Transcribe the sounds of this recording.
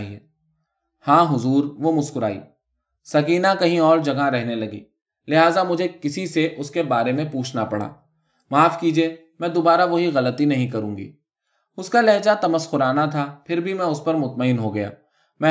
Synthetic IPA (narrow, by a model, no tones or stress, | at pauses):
ɦiɛ | hãːɦʊzuːɾʋomʊskʊɾa̰ːḭː | sɐkiːnakɐɦĩɔːɾd͡ʒɐɡaɾɛɦnelɐɡḭː | lɪɦaːzamʊd͡ʒʱekɪsiseʔʊskebaːɾemẽpuːt͡ʃʰnapɐɽ̤a̰ː | maːfkiːd͡ʒieː | mɛ̃ːd̪oːbaːɾaʋoɦiɣɐlət̪inɐɦĩk̬ɐɾũːɡḭː | ʊskalɛɦd͡ʒat̪ɐməsxʊɾaːnat̪ʰapʰɪɾbʱimɛ̃ːʊspɐɾmʊt̪məɪnɦoɡɐja̰ː | mɛ̃